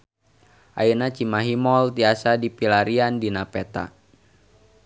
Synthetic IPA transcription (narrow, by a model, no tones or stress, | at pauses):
ʔa̰inat͡ʃimaɦimɔlt̪iasadipilaɾiandinapɛt̪a̰